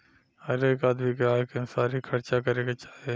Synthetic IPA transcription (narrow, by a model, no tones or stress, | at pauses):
ɐɾekaːd̪mikeaːɦekesaːɾikʰɐɾt͡ʃakɐɾeːket͡ʃaːe